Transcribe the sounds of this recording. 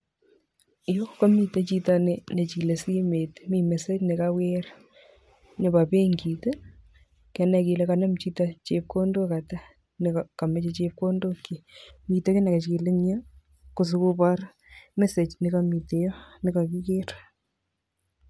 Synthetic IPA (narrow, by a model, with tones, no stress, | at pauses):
ɪ˨jo˦ka˦mi˨te˨t͡ʃi˦ta˦ne˨ne˨t͡ʃi˨le˨si˦me˨tmi˦mɛ˨se˦t͡ʃne˨kaweɾ | nɪ˨pa˨pe˦ŋɡi˨te | kɛ˨nɛ˨kɪ˨le˦ka˨nɐ˦mt͡ʃi˦tat͡ʃep̚ko˦ndo˦ka˨ta˦ | nekka˨mɛ˨t͡ʃe˦t͡ʃep̚ko˦ndo˦kːi˨mi˨te˦ke˦ne˨ka˨t͡ʃki˨le˦ɲa˦ | ko˨s̬ʊ˦ku˦pa˦ɾ | mɛ˦se˨t͡ʃnɪ˨ka˦mi˨te˨jɔ˦nɪ˦ka˨ki˦ke˦ɾ